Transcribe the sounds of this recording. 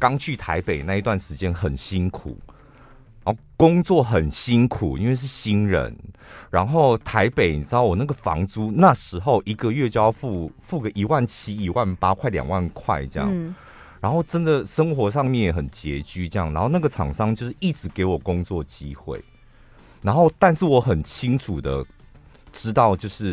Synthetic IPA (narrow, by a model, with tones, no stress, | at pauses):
kɑ˥ŋt͡ɕʰy˥˩t̪ʰa˧˦˥ɪpe˨˩ɪna˥˧˨i˧˥t̪wa˥˩nʂɻ̩˧˥t͡ɕjɛ˦˥nxə˨˩nɕi˥nkʰṵ˨˩ | a˨˦no˥˩kʊ˥ŋt͡swɔ˥˨xə˨˩nɕi˦˥nkʰu˨˩i˦˥nwe˥˧ɪʂ̬ɻ̩˥˩ɕi˥nɻə̰˧˦nɻa˧˦nxo˥˩ʊt̪ʰa˧˥ɪpe˨˩ɪt͡sɑ˥˦wɔ˨˩na˥˩ɡə˩fɑ̰˧˥ŋt͡su˥na˥˩ʂɻ̩˧˥xo˥˩ʊʔi˧˥ɡə˨ɥɛ˥˩t͡ɕjʊ˧fu˥˧fu˥˩ɡə˨˩ʔi˨˩wa˥˩nt͡ɕʰi˥i˨˩wa˥˩npa˦kʰwa˥˩ɪljɑ̰˨˩ŋwa˥˨nkʰwa̰˥˧ɪʈ͡ʂjɑ̰˥˨˦ | ɻa˧˥nxo˥˩ʊʈ͡ʂə˦nd̪ə˨ʂə˥ŋxwɔ˧˥ʂɑ˥˧ŋmjɛ˥˨njɛ˨˩xə˨˩nt͡ɕjɛ˧˥t͡ɕy˥ʈ͡ʂɤ˥˧jɑ˥˩ŋna˧˦nxo˥˧ʊna˥˩ɡə˨ʈ͡ʂʰɑ˨˩ŋʂɑ˥˧ŋt͡ɕjo˥˧ʊʂɻ̩˥˩ʔi˥˩ʈ͡ʂɻ̩˧˥ke˧˥ɪwɔ˨˩kʊ˥ŋt͡swɔ˥˩t͡ɕi˦xwḛ˥˩ɪ | na˧˦˥nxo˥˩ʊt̪a˥˧nʂɻ̩˥˩wɔ˧˥xə˨˩nt͡ɕʰi˦˥ŋʈ͡ʂʰu˨˩d̪ə˦ | ʈ͡ʂɻ̩˥t̪ɑ˥˧ʊt͡ɕjo˥˧ʊʂɻ̩˥˩